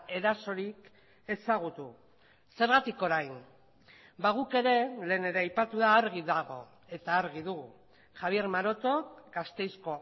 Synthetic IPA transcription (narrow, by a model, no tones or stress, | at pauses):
e̞ɾaso̞ɾik | e̞saɣ̞ut̪u | se̞ɾɣat̪iko̞ɾajn | baɣuke̞ɾe̞le̞ːne̞ɾeajpat̪uðaːɾɣ̞iðaɣ̞o̞̰ | e̞t̪aːɾɣ̞iðuɣu | xaβ̞ie̞ɾmaɾo̞t̪o̞kɡast̪e̞jsko̞